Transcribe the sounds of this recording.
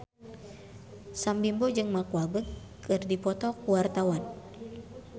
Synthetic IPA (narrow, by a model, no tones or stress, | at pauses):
sambimbod͡ʒɨŋmakuabə | kɨrdipɔt̪ɔkuwart̪awan